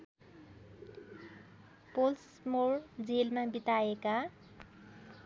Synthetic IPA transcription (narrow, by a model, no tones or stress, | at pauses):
pols | mord͡zelmabit̪aeka